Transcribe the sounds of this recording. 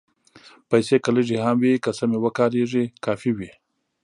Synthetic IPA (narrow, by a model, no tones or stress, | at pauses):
pajsekaləʐihamwikəsamewəkɑɾeʐikɑfiwi